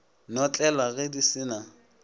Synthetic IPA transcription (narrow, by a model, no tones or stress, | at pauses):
nɔt͡ɬʼɛlaɣɛdisɪna